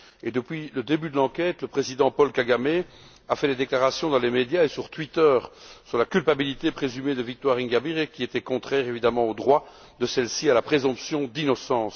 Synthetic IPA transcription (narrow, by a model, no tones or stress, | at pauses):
ed̪əpɥiləd̪ebyd̪əlɑ̃kʲɛt̪ləpχezid̪ɑ̃pɔlkaɡame | afɛd̪ed̪eklaʁasjɔ̃d̪ɑ̃lemed̪jaesyʁt̪wɥit̪œːʁsyʁlakʲylpabilit̪epχezymed̪əvik̚t̪waʁiŋɡʲabiʁekʲiet̪ɛkɔ̃t̪χɛʁevid̪amɑ̃od̪ʁwa | d̪əsɛlsialapχezɔ̃psjɔ̃d̪inɔsɑ̃ːs